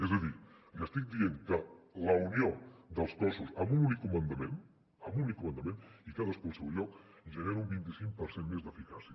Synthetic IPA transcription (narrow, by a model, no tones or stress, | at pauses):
ezəði | jəst̪ik̚d̪ieŋkələuniod̪əlˠskɔsuzəmununikumənd̪əmen | əmunnikumənd̪əmẽnikaðəskulˠsɛwʎɔkʒəneɾumbint̪isiŋkpəɾsenmezd̪əfikasiə